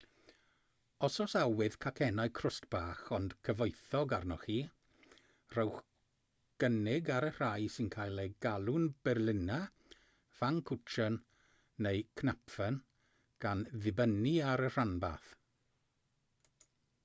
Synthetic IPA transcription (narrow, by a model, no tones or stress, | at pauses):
ɔsɔsawɪð̥kʰakʰɛnaɨkʰrʊstb̥aːχɔnd̥kʰəvɔɨθɔɡarnɔχiː | r̥əwχ | ɡ̥ənɪɡaɾər̥ajsɪnkʰaːjlˠeɡalˠʊnb̥ɛrlˠɪna | v̥aŋkʰʊt͡ʃʰənː | ejkʰnapfən | ɡ̥anðɪbəniaɾər̥anba̰θ